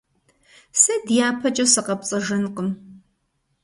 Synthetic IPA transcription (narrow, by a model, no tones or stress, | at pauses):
sɐdjaːpʰɐt͡ʃʼɐsɨqɐpt͡sʼɐʒɨnqəm